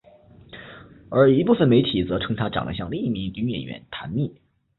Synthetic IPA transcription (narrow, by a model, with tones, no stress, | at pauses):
ə˞˧˥i˧˥pu˥˩fə˨˩nme˧˥ɪt̪ʰi˨˩t͡sɤ˧˥ʈ͡ʂʰɤ˧˥ŋt̪ʰa˥˧ʈ͡ʂɑ̰˨˩ŋd̪ə̰˦ɕjɑ˥˧ŋli˥˩ŋi˥˩mi˧˥ŋy˧˥ŋɥɛ̰˨˩nɥɛ̰˧˥nt̪ʰa̰˧˥nmi˥˩